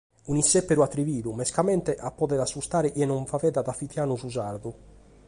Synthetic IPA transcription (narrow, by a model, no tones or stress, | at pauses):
unisːɛpːeɾuat̪ːɾiviːðumɛskamɛnt̪ɛʔapːɔðɛðasːust̪aːɾɛʔɛnɔɱfavɛːðaðafit̪jaːnuzuzaɾd̪u